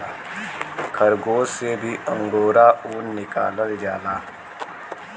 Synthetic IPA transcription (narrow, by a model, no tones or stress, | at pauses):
kʰəɾɡoːsebʱiʔə̃ŋɡoːɾauːnːɪka̰ːləld͡ʒaːlaː